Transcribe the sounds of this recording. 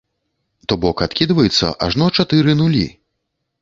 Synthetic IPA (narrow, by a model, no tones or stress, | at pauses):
t̪ɔbɔkat̪kʲid̪vɐjɛt̪sːɐ̰ʔa̰ʐnɔt͡ʂat̪ɨɾɨnulʲḭ